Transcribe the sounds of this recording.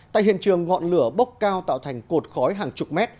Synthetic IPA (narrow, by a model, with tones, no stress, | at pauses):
t̪a̰ː˧˨jhḭ˧˨ənt͡ɕɨ˨˩əŋːɔ̰˧˨nlɨ˧˩əɓə˦˥k͡p̚kaː˧wt̪a̰ː˧˨wt̪ʰa˨˩jŋ̟ko˨˩t̚xɔ˨˦jɦaː˨˩ŋt͡ɕʊ˨˩k͡p̚mɛ˦˥t̚